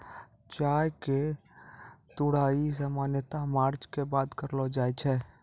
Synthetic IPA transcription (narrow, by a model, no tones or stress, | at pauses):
t͡ʃaːjke | t̪ʊɽaːis̬əmaːnjət̪amaːɾt͡ʃkebaːt̪kəɾlod͡ʒaːjt͡ʃʰɛ